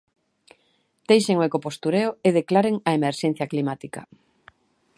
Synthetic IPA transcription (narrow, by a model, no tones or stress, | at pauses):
t̪ejʃeŋoekopost̪uɾeoeð̞eklaɾeŋɐemeɾʃɛn̟θjɐklimat̪ikɐ̰